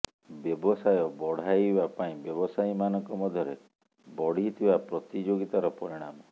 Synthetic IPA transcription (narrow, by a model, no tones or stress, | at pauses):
bjɔbɔsajɔbɔɽ̤ajibapaĩbjɔbɔsajmanɔŋkɔmɔd̪ʱjɔɾe | bɔɽ̤it̪ʰibapɾɔt̪id͡ʒoɡit̪aɾɔpɔɾiɽ̃amɔ